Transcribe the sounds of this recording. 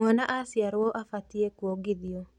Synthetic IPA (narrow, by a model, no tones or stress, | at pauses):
ɔnaʔasjaɾwɔʔafatiekwoɡɪdio